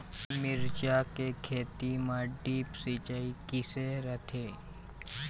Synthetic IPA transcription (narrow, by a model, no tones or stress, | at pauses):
mɪɾt͡ʃakekʰeːt̪imãɖiːpsiːt͡ʃaikɪseɾət̪ʰeː